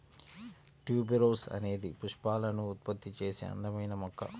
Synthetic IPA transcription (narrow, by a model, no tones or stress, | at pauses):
ʈjuːbiɾoːsɐ̰ne̞ːd̪ipuʂpaːlɐnuːt̪̚pɐt̪ːit͡ʃe̞ːsḛːɐ̰nd̪ɐmɐjnɐmɔkːɐ̰